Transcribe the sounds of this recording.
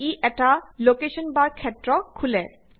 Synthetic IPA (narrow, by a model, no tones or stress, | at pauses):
iʔɛʈalokeʃɔnbaɾkʰːɛtːɾɔkʰulɛ